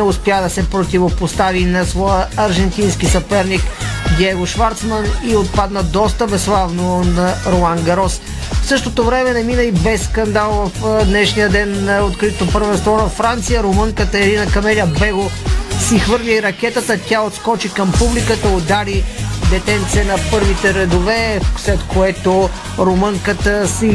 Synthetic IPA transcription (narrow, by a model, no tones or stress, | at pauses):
nɛʊspʲjad̪ɐsɛpɾot̪ivopost̪avinɐsvɔjəɐɾʒɛnt̪inskisɐpɛɾnikɡ̪jɛɡoʃvaɾt̪sməniot̪̚pad̪nəd̪ɔst̪əbɛslˠavnonɐɾomaŋɡɐɾɔs | fsɤʃt̪ot̪ovɾɛmɛnɛminəibɛsːkɐnd̪alˠvɐfd̪nɛʃnijəd̪ɛnot̪kɾit̪t̪opəɾvɛ̃nst̪vɔnɐfɾant̪sijəɾoməŋkət̪əɛɾinəkɐmɛlʲəbɛɡosixvɤɾlʲiiɾɐkɛt̪ət̪ətʲaot̪skɔt͡ʃikəmpublikət̪əod̪alid̪ɛt̪ɛnt̪sɛnɐpɤɾvit̪ɛɾɛd̪ovɛslɛt̪koɛt̪o | ɾoməŋkət̪əsi